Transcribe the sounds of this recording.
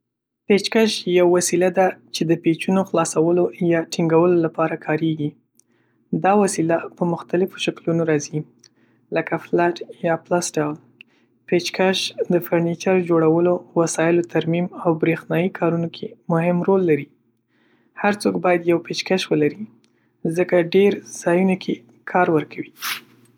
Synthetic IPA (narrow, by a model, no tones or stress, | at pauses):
pet͡ʃkaʃjawːasilad̪at͡ʃed̪əpet͡ʃunoxlɑsawəlojɑʈiŋɡawəlolapɑɾakʰɑɾeɡi | d̪ɑwasilapəmʊxt̪alɪfo̥ʃaklunoɾɑzi | ləkaflaʈjɑplasɖawl | pet͡ʃkaʃd̪əfaɾnit͡ʃaɾd͡ʒoɽawəlowasɑjɪlot̪ʰaɾmimawbɾexnɑjikʰɑɾunokʰemʊhɪmɾolːaɾi | haɾt͡sokbɑjad̪jawpet͡ʃkaʃwəlaɾi | zəkaɖeɾz̥ɑjunokʰe | kʰɑɾwəɾkʰawi